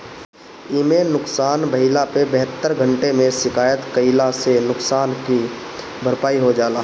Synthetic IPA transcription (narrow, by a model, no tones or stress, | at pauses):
ɪmenʊksaːnbəɦɪlapebəɦət̪ːəɾɡʱəɳʈemẽsɪkaːjət̪kəɪlasenʊksaːnki | bʱəɾpaːiɦod͡ʒaːlaː